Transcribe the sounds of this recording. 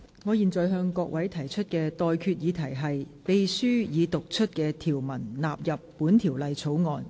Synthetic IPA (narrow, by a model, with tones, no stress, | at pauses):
ŋɔː˨˧jiː˨nt͡sɔː˨jɦœː˧ŋkɔː˧k̚wɐ˨˥jt̪ʰɐ˨˩jt͡ʃʰɵ˥t̚kɛː˧t̪ɔː˨jkʰyː˧t̚jiː˨˧t̪ʰɐ˨˩jɦɐ˨jpe˨jsyː˥jiː˨˧t̪ʊ˨k̚t͡ʃʰɵ˥t̚kɛː˧t̪ʰiː˨˩wmɐ˨˩nlaː˨p̚jɐ˨pːuː˨˥nt̪ʰi˨˩wlɐ˨jt͡sʰo˨˥wŋɔː˨˧n